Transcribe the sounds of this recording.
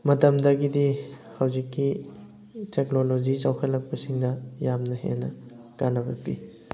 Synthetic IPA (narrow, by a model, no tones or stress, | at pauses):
mɐtɐmdɐɡidihɐwzikːi | tʰeknolod͡ʒit͡ʃawkʰɐlːɐk̚pɐsiŋnɐjamnɐhḛnɐ | kanɐbɐkpi